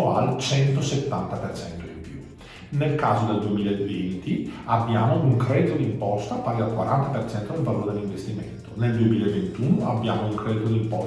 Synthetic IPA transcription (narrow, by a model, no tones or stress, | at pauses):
oa̰lt͡ʃɛnt̪oset̪ːant̪apert͡ʃɛnt̪oimpju | nelkaːzod̪eld̪uemiːlaevːent̪iabːjaːmouŋkɾɛd̪it̪od̪impɔst̪apaːɾialkwa̰ɾant̪apert͡ʃɛnt̪od̪elvaloːɾed̪elːiɱvest̪iment̪oneld̪uemiːlaevent̪uːnoabːjaːmouŋkɾɛd̪it̪od̪impɔ